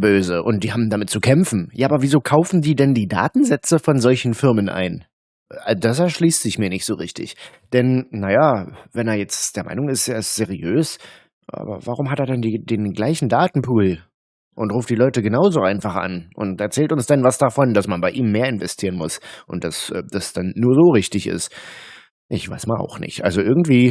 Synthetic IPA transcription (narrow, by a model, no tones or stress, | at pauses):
bøːzəʔʊnt̚d̥iːhaːbm̩damɪt̚t͡sukʰɛmfn̩jaːʔaːbɐviːzoːkʰaʊfn̩diːdɛndiːda̰ːtn̩zɛt͡səfɔnzɔlçn̩fɪɐmənʔa̰ɪn | ad̥as̬ɛɐʃliːstz̥ɪçmiːɐnɪçtz̥oːʁɪçtɪ̰ç | d̥ɛnnajavɛneːɐjɛt͡std̥eːɐma̰ɪnʊŋɪseːɐɪstz̥eʁiøːs | ʔa̰ːbɐ̰vaʁ̞ʊmɦateːɐdandiːdeːnɡlaɪçn̩daːtn̩pʰuːl | ʔʊntʁuːftd̥iːlɔʏtəɡənaʊzoʔaɪnfaχʔa̰nʔʊ̰ntɛɐt͡sɛːltʊnsd̥anvasd̥afɔnd̥asmanbaɪʔiːmːeːɐɪnvɛstʰiːʁənmʊsʔʊnt̚d̥asʔɛd̥asd̥anːuːɐzoːʁɪçtɪçɪ̰st | ʔɪçv̥a̰ɪsmalʔa̰ʊxnɪ̰çtʔa̰lzoʔɪɐɡŋ̩tv̥iː